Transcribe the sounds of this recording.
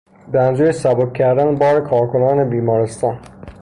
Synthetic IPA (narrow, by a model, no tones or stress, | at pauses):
beænzuːjesæbokʲcʰːæɾd̪ænbɒːɾekʰɒːɾkʰo̞nɒːnebiːmɒːɾest̪ɒːn